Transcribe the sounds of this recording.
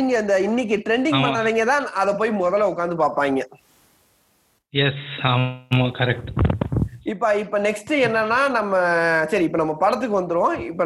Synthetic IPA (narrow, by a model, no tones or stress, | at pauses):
ŋɡɐɪnd̪ɐɪnːɪk̬ːɯʈɾɛɳɖɪ̃ŋpɐɳːɐʋiːŋɡɐt̪ãːɐðɐpoːjmɔðɐlʊkːaːnd̪ɯpaːɾpaːŋɡɐ | jɛsamɐkɐɾɛk̚ʈ | ɪpːoɪpːonɛksʈɯɛnːɐnːaːnɐmːɐsɐɾiɪpːoːnɐmːɐpɐɽɐt̪̬ːɯkːɯʋɐnd̪ɯɾɯʋõːɪpːo